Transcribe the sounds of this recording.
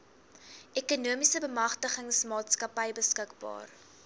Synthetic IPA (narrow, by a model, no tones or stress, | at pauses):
ʔɛkunuəmisəbəmɐχtəχəŋsmɑːtskɐpəjbəskəkbɑ̰ːr